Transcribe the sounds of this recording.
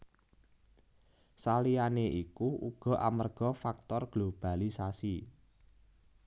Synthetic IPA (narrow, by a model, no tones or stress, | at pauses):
salianeʔikuʔuɡ̥ɔ̤ʔamərɡ̥ɔ̤fak̚t̪ɔrɡ̥lob̥a̤lisasi